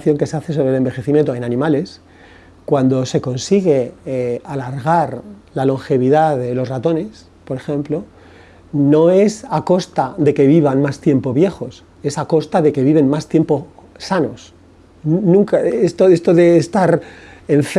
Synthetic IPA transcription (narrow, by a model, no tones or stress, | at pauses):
θjo̞ŋkeseaθe̞s̬o̞βɾele̞mbe̞xe̞θimjent̪oenanĩmale̞s | kwand̪o̞se̞ko̞nsiɣ̞e̞alaɾɣ̞aɾlalo̞ŋxe̞βiðaðe̞lo̞srat̪o̞ne̞s | po̞ɾe̞xẽ̞mplo̞ | no̞e̞sako̞st̪aðe̞ke̞β̞iβ̞anmast̪je̞mpo̞βje̞xo̞s | e̞sako̞st̪aðe̞ke̞βiβe̞nmast̪je̞mpo̞sano̞s | nũŋkaest̪oest̪oðeːst̪aɾeɱf